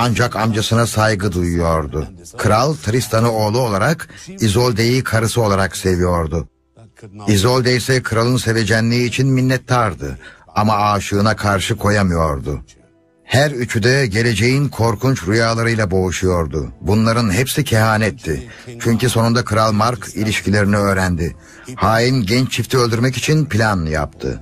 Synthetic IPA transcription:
and͡ʒakamd͡ʒasɯnasajɡɯd̪ujujo̞ɾd̪ukʰɯɾalˠt̪ʰɾist̪ʰanɯo̞ːlˠuo̞lˠaɾakizolʲd̪e̞jikʰaɾɯsɯo̞lˠaɾakse̞vijo̞ɾd̪u | izo̞lʲd̪ejsɛkʰɯɾalˠɯnse̞ve̞d͡ʒɛnlʲiiːt͡ʃʰinminːɛt̪ːaɾd̪ɯ̰amaaːʃɯːnakʰaɾʃɯkʰo̞jamɯjo̞ɾd̪ṵ | hæɾyt͡ʃʰyd̪ɛɟe̞lʲe̞d͡ʒe̞jinkʰo̞ɾkʰunt͡ʃɾujaːlˠaɾɯjlˠabo̞uʃujo̞ɾd̪ʊbunlˠaɾɯnhɛpsicʰɛɦaːnɛt̪ʰːi | t͡ʃʰyɲciso̞nund̪akʰɯɾalˠmaɾkʰilʲiʃcʰilʲe̞ɾiniø̞ːɾænd̪ɪ | haːjinɟɛnt͡ʃt͡ʃʰift̪ʰiø̞lʲd̪yɾmɛcit͡ʃʰinpʰlʲanja̰p̚t̪ʰɯ̰

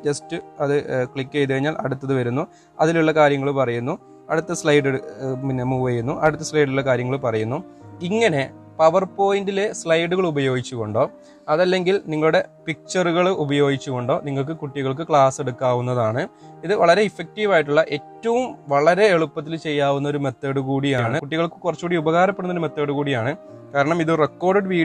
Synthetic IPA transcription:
t͡ɕɐstɨɐðɨkɭikːejt̪ːɐɻiɲːaːlʔɐ̰ɽut̪ːɐðɨʋɐɾunːu | ɐðiluɭːɐkaːɾjɐŋːɐɭupɐrɐjunːu | ɐɽut̪ːɐsɭɐjɖeminɐmuʋɐjunːuʔɐɽut̪ːɐslɐjɖulɭːɐkaːɾjɐŋːɐɭpɐrɐjunːuiŋːɐne̞ | pɐʋɐrpo̞ːjindile̞sɭɐjɖuɣɐɭubɐjo̞ːɡit͡ɕːuɣo̞ɳɖo̞ː | ɐðɐlːe̞ŋɡilniŋːɐɭuɽe̞pik̚t͡ɕɐruɣɐɭubɐjo̞ːɡit͡ɕːuɣo̞ɳɖo̞ːniŋːɐɭk̬ɨkuʈːiɣɐɭk̬ɨkɭaːse̞ɽukːaːʋunːɐðaːɳɨ | iðɨʋɐɭɐɾeifːek̚ʈiʋaːjiʈ̬ːuɭːɐʔe̞ːtːɐʋumʋɐɭɐɾe̞ːɭupːɐt̪ːilt͡ɕe̞jːaːʋunːɐoɾume̞t̪ːeːɽuɣuːɽijaːɳɨkuʈːiɣɐɭkɨkurɐt͡ɕːukuːɽiubɐɣaːɾɐp̬ːeɽunːɐoɾume̞t̪ːeːɽuɣuːɽijaːɳɨ | kaːɾɐɳɐmiðɨrekːo̞ːrɖʋiː

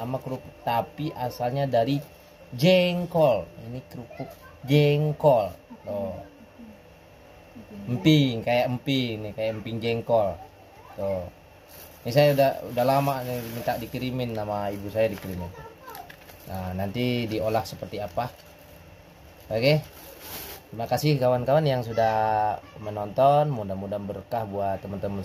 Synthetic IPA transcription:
amakɾukʊk̚t̪apiʔasalɲadaɾi | d͡ʒɛŋkɔlḭnikɾukʊk̚d͡ʒɛŋkɔlt̪o | əmpiŋkajaʔəmpiŋnihkajaʔəmpiŋd͡ʒɛŋkɔl | t̪o | nis̬ajaudaudahlamaʔnimint̪aʔdikɾiminːamaibusajadikɾimit̪u | anant̪idiolahsəpərt̪iapa | akɛ | t̪ɾimakasɪhkawankawanjaŋsudahmənɔnt̪ɔnmudamudabəɾəkahbuat̪ːəmənt̪əmən

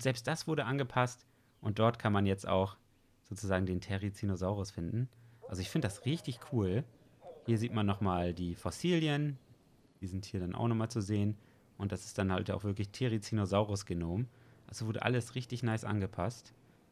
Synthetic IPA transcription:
zɛlpstd̥asv̥ʊɐɾəʔanɡəpʰast | ʔʊnt̚d̥ɔɐtkʰanmanjɛt͡sta̰ʊx | z̥oːt͡suzaːɡŋ̩deːntʰɛʁit͡sinozaʊʁʊsfɪndn̩ʔa̰lzoɪçfɪndədasʁɪçtɪçkʰuːl | hiːɐziːtmanːɔχmaːldiːfɔsiːljən | d̥iːzɪnthiːɐɾanʔa̰ʊxnɔχmaːlt͡suzeːən | ʔʊntd̥asɪ̥st̚d̥anha̰lta̰ʊfv̥ɪɐklɪçtʰeʁit͡sinozaʊʁʊsɡ̥ənoːmʔalzovʊɐɾə̰ʔa̰ləsʁɪçtɪçnaɪsʔa̰nɡəpʰast

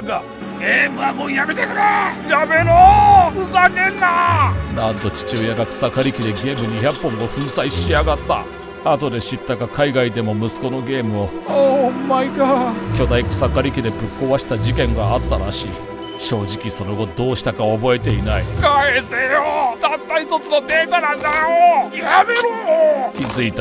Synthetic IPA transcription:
ɡa | ɡeːmɯ̟amoːjamet̪ekɯ̟ɾejamenoɯsakẽnːanãnt̪o̞t͡ɕi̥t͡ɕɨojaɡakɯ̟̥sakaɾʲikʲid̪e̞ɡe̞ːmɯ̟ɲ̟içʲakpːõ̞ŋɡo̞ɸɯ̟̃ɰ̃saiɕiaɡat̪ːa̰ | at̪o̞d̪e̞ɕit̪ːaɡakaiɡaid̪e̞mo̞mɯ̟sɨ̥ko̞no̞ɡe̞ːmɯ̟o̞omːaikakʲo̞d̪aikɯ̟̥sakaɾʲikʲid̪e̞pɯ̟kːoβaɕi̥t̪ad͡ʑikẽ̞ŋɡaat̪ːaɾaɕiː | ɕo̞ːʑikʲiso̞no̞ɡo̞d̪o̞ːɕi̥t̪akao̞bo̞e̞t̪e̞inaikaesejod̪̥at̪ːait̪o̞t͡sɨno̞d̪e̞ːt̪anãnd̪ajoihameɾɯ̟mokʲizɨit̪

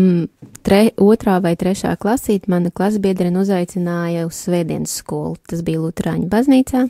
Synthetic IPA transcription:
t̪ɾɛuɔt̪ɾaːvajt̪ɾɛʃa̰ːklˠasiːt̪manɐklˠasbiɛd̪ɾinuzajt̪sinaːjɐussvɛːd̪iɛnsskuɔlˠut̪asbiːjlˠut̪ɾa̰ːɲbazniːt̪saː

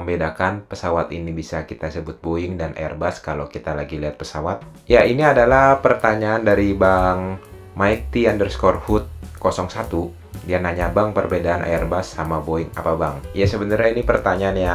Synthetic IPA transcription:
əmbedakanpəsawat̪inibisakit̪asəbʊt̪̚boɪŋdanʔa̰ɛ̰rbaskalawkit̪alaɡiliɦat̪̚pəsawat̪̚ | jaʔiniadalahpərt̪aɲaːndaɾibaŋ | maik̚t̪iandərskɔrhʊt̪̚kɔsɔŋsat̪u | dianaɲabaŋpərbedaanʔa̰ɛrbasːamaboɪŋa̰pabaŋjasəbənarɲainipərt̪aɲaːnja

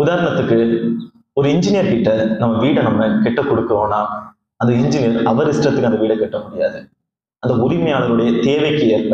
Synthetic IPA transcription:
ʊðaːɾɐɳɐt̪ːɯkːɯ | ɔɾɯɪɲd͡ʒɪnɪjɐɾkɪʈːɐnɐmːɐʋiːɽɐnɐmːɐkɛʈːɐkɔɽɯkːɯɾoːnːaː | ɐnd̪ɐɪɲd͡ʒɪnɪjɐɾɐʋɐɾɪsʈrɐt̪ːɯkːɯɐnd̪ɐʋiːɽɐkːɛʈːɐmʊɽɪja̰ːðɯ | ɐnd̪ɐʊɾɪmɐjaːɭɐɾɯɽɐjɐt̪eːʋɐɪkːɯjɐ

